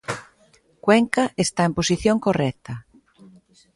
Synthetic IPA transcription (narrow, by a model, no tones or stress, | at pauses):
kwɛŋkɐʔest̪aemposiθjoŋkorɛt̪ɐ